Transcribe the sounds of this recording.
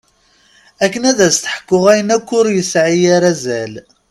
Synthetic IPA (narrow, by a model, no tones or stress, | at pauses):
ækːənæðæst̪ə̥ħə̥kːʊʁæjənækʷːʊɾjəsʕijaɾæzæl